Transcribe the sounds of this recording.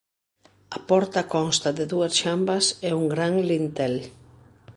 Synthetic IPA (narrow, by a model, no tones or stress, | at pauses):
ɐpɔɾt̪ɐkɔnst̪ɐðɪðuɐsʃambɐsɛuŋɡɾaŋlint̪ɛl